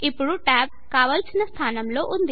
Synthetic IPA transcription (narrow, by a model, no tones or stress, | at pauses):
ipːuɽuʈaːb̚kaːʋɐlsinɐst̪ʰaːnɐmlo̞ːʔund̪i